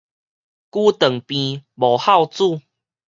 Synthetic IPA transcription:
ku˦t̪ə˨˩ŋpĩ˧bo˨˩ha˥˧wt͡su˥˨

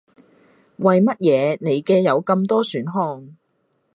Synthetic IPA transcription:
wɐ˨jmɐ˥t̚jɛː˨˧ne˨˧jkɛː˧jɐ˨˧wkɐ˧mt̪ɔː˥syː˨˥nɦɔː˧ŋ

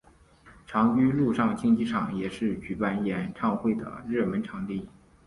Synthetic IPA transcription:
ʈ͡ʂʰɑ˧˥ŋt͡ɕy˥lu˥˧ʂɑ˥˧ŋt͡ɕʰi˥˧ŋt͡ɕi˥˩ʈ͡ʂʰɑ˨˩ŋjɛ˨˩ʂɻ̩˥˩t͡ɕy˧˥pa˥˩njɛ˨˧˥nʈ͡ʂʰɑ˥˧ŋxwe˥˩ɪd̪ə̰˩ɻɤ˥˩mə˧˥nʈ͡ʂʰɑ˧˥ŋt̪i˥˩

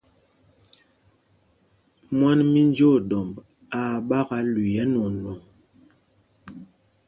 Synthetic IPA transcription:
mwa˦nmi˦n˦d͡ʒo˦˨ɗɔ˨mb | a˨ɓa˦ɣa˨˦li˨jɛ˦nɔ˨nwɔ˨ŋ

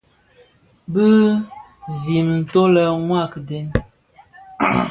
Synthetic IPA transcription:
bɨ˦ | zi˨mn̩˨to˦lə˨ŋwa˦˨kde˦n

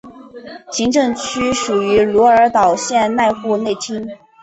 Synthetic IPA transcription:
ɕi˧˥ŋʈ͡ʂɤ˥˧ŋt͡ɕʰy˥ʂu˨˩y˧˥lu˧˥ə˞˧˥t̪ɑ˨˩ʊɕjɛ˥˧nna˥˧ɪxu˥˧ne˥˩ɪt͡ɕʰi˥ŋ

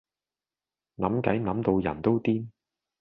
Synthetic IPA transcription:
nɐ˨˥mkɐ˨˥jnɐ˨˥mt̪o˧wjɐ̰˨˩nt̪o˥wt̪iː˥n

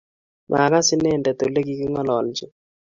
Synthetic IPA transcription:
mʔa̰˨ka˦sɪ˦nɛ˦˨ndɛ˨t̪o˨le˦ki˦kɪ˦ŋɔ˦lɔ˨ld͡ʒɪ˨

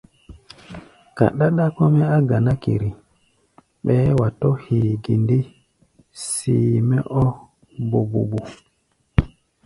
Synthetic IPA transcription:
ka̰˨ɗa˦ɗa˦kɔ˦mɛ˦a˦ɡa˨na˦kḭ˨ɾi˨ | ɓɛ˦wa˨tɔ˦hi˨ɡi˨ndi˦ | siː˨mɛ̰˦ʔɔ˦ | bo˨bṵ˨bu˨

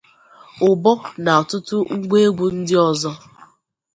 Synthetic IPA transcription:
ʊ˨bɔ˦na˨ɔ˨tʊ˦tʊ˦ŋ̩˦ɡ͡bʷe˦ɡ͡bu˨n̩˦dɪ˦ɔ˦zɔ˦

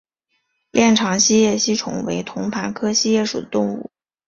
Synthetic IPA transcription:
ljɛ˥˩nʈ͡ʂʰɑ˧˥ŋɕi˥jɛ˥˩ɕi˥˩ʈ͡ʂʰʊ̰˨˩ŋwḛ˧˥ɪt̪ʰʊ˧˥ŋpʰa˧˥nkʰɤ˥ɕi˥jɛ˥˩ʂu˨˩d̪ə˦t̪ʊ˥˧ŋṵ˥˩

